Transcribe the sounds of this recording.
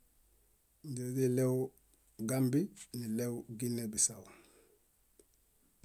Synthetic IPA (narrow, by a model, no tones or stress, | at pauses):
ɟidilew | ɡambinilewɡinːebisaw